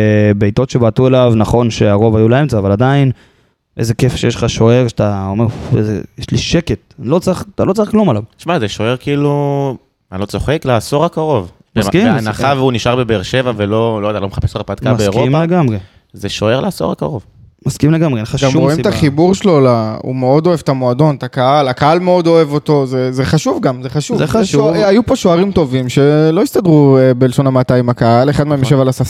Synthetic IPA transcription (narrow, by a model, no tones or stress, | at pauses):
bejt̪o̞tʃe̞baːt̪uelavnaχo̞nʃe̞aʁo̞vajulaemt͡saːvalad̪ain | ʔeze̞kefʃeeʃlχaʃo̞e̞ʁʃat̪aomeʁḛzejeʃliʃeket̪̚lo̞t͡sʁiχt̪alo̞t͡saʁiχklumalavt̪ʃmazeʃoe̞ʁkiiːlu | lot͡so̞χekleaso̞ʁakaʁo̞v | mskianaχavuniʃaʁbebeʁʃe̞vavelolojd̪alomeχapesaʁpad̪kabeeʁompaeɡamʁe | zeʃoe̞ʁlaasoʁa̰ka̰ʁo̞v | maskimleɡameaɡamʁoimt̪aχibuʁʃlo̞laṵme̞o̞d̪o̞evt̪amoad̪o̞nt̪akahalakahalme̞o̞d̪o̞e̞vo̞t̪o̞zezeχaʃuvɡamzeχaʃuvuajupo̞ʃoaʁimt̪o̞vimʃe̞lo̞ist̪adʁuebe̞leʃo̞namat̪ajimakaaleχad̪meemjoʃevalasas